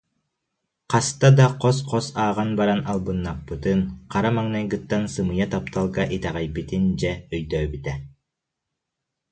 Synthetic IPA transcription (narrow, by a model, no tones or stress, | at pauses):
qɑst̪ad̪ɑqɔs̬qʰɔsaːʁɑnbaɾanɑlˠbɯnːapːɯt̪ɯnqʰɑɾamæŋnɛjɡɯt̪ːansɯmɯjat̪apt̪ɑlˠɡɑʔit̪ɛʁɛjbit̪ind͡ʒɛœjd̪œːbyt̪ɛ